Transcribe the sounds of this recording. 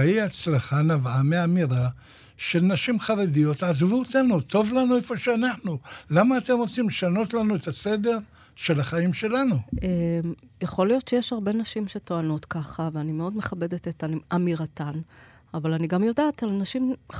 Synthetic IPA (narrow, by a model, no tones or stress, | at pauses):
iat͡slaχanavameamiʁa | ʃelnaʃimχaʁedijo̞tazvuot̪anuto̞vlanuefo̞ʃeanaħnulamaːt̪emʁo̞t͡simleʃano̞tlanuet̪ase̞de̞ʁ | ʃe̞laχaimʃe̞lanuem | jaχo̞lijo̞tt͡ʃe̞jeʃhaʁbe̞naʃimʃe̞to̞ano̞tkaχaveanime̞o̞dme̞χabe̞detetanʔamiʁatan | avalaniɡamjo̞daːtalnaʃim